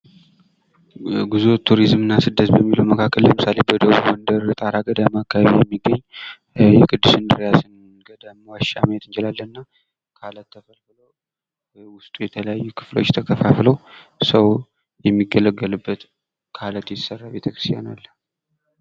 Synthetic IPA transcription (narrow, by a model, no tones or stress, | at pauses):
ɡuzot̪ʰːuɾizmɨnːasɨd̪ːət̪bəmːiluwməkʰakʰːəlləmɨsalebəd̪əβuβwɔnd̪əɾt̪ʼaɾaɡəd̪amakːaβaβijɛmːiɡəɲː | jɛkʰɨd̪ːɨsɨnd̪ɨɾejasɨn | ɡəd̪əmwaʃa̰mjɛt̪ɨnt͡ʃɛlalːənɨnːa | kʰalət̪ʰːəfəlfɨlo | wʊst̪ʼujɛt̪ʰələjajːukʰɨ̥flo̞̰t͡ʃːt̪ʰəkʰəfaflosəw | jɛmːiɡːələɡːəlɨbːət̪ | kʰalət̪jɛt̪sərːabe̞t̪ʰəkɾɨst̪ʰjanalːə